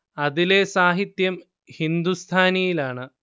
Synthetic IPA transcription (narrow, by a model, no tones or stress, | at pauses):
ɐðile̞saːɦit̪jɐm | hind̪ust̪ʰaːnɐjilaːɳɨ